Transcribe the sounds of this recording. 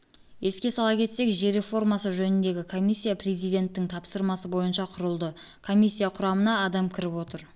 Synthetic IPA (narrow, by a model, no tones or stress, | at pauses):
je̞skʲe̞sɑlˠɑkʲʰe̞t̪se̞kʒe̞ɾe̞fo̞ɾmɑsəʒɵnɪnd̪e̞ɡʲɪkʰo̞mijsʲːijaprezijd̪e̞nt̪ːɪŋt̪ʰɑpsəɾmɑsəbo̞jənʃɑqʰʊɾəlˠd̪ə | kʰo̞mʲisʲːijaqʰʊɾɑmənɑːd̪ɑmkʲʰɪɾɪpwo̞t̪əɾ